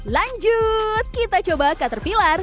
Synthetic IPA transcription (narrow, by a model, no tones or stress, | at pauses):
laɲd͡ʒut̪̚kit̪at͡ʃobakət̪ərpilar